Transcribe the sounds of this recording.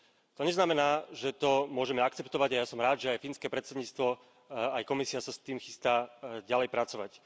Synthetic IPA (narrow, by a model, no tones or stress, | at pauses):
t̪ɔɲɛznamɛnaːʒɛt̪ɔmʊɔʒɛmɛakt͡sɛpt̪ɔʋaɟajasɔmɾaːd̪ʒɛajfiːnskɛːpɾɛt̪t͡sɛd̪ɲiːt͡st̪ʋɔ | ajkɔmisiasast̪iːmxist̪aːɟalɛjpɾat͡sɔʋa̰c